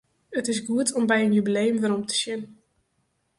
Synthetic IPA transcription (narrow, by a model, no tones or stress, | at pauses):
ətɪsɡuətʰɔmbɛjənjybilejəmʋəɾɔmtə̥sjɪn